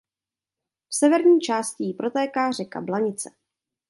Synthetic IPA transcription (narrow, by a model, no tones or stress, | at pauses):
fsɛvɛɾɲiːt͡ʃaːscɪjɪpɾo̞t̪ɛːkaːr̝ɛka̰blaɲɪt͡sɛ